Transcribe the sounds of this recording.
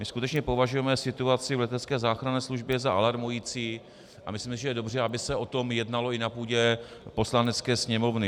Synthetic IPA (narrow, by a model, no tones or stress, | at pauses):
mɪskut̪ɛt͡ʃɲɛpo̞vaʒujɛmɛsɪt̪uat͡sɪvlɛt̪ɛt͡skɛːzaːxɾanɛːsluʒbjɛzaʔalaɾmujiːt͡siː | ʔa̰mɪslimsɪʒɛjɛdo̞br̝ɛabɪsɛo̞t̪o̞mjɛdnalo̞ɪnapuːɟɛpo̞slanɛt͡skɛːsɲɛmo̞vnɪ